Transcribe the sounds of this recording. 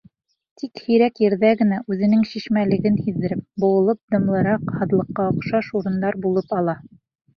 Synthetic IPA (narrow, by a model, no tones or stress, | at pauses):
t̪ʰikhiɾækjɘ̆ɾðæɡɘ̆næʔʉðɘ̆nɘŋɕiʃmælɘ̆ɡɘnhiðːɘ̆ɾɘp̚bŏɤ̆lˠɤp̚d̪ɤ̆mlˠɤ̆ɾɑqhɑðlˠɤ̆qːɑŏqʃɑʃuɾɤ̆nd̪ɑɾbulˠɤpɑlˠɑ